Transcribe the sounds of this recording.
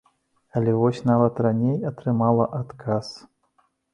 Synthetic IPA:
ɐlʲɛvɔsʲnavɐt̪ranʲejɐt̪ɾɨmalˠɐʔat̪kʰas

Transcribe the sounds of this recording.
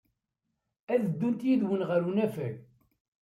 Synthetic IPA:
æðəd̪ːunt̪jiðwənʁəɾunæfæl

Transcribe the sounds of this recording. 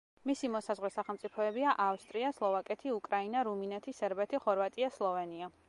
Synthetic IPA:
misimɔsazʁwɛsaχɛlˠmt̪sʼipʰɔɛbiaʔafst̪ʼɾiaslˠɔvakʼɛt̪ʰiukʼɾainaɾuminɛt̪ʰisɛɾbɛt̪ʰiχɔɾvat̪ʼiaslˠɔvɛnia

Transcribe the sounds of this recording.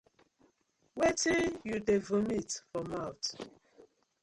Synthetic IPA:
wetijudevumitfɔmawt

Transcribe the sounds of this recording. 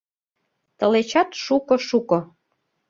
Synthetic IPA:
t̪ə̆let͡ɕɑt̪ʃukŏʃukŏ

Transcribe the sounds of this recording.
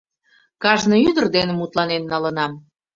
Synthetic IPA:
kɑʒnɤyd̪ərd̪enəmut̪lɑnenːɑlənɑm

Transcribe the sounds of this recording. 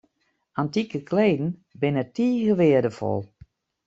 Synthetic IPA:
antikəkʰleːdn̩bɪnətiːɣəʋɪədəfɔ̰lˠ

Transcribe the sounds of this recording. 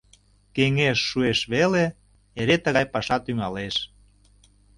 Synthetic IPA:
keŋeʃːueʃβele | eɾet̪əɣɑjpɑʃɑt̪yŋɑleʃ

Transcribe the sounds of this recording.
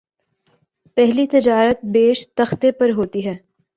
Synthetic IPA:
pɛɦlit̪ɪd͡ʒaːɾət̪̚beːʃt̪ɐxt̪epɐɾɦoːt̪iɦɛː

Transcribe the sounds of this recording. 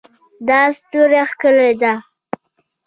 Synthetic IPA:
d̪ɑst̪uɾaxkəled̪a

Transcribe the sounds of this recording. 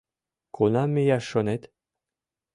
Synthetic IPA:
kʰonamejaʃonet̪

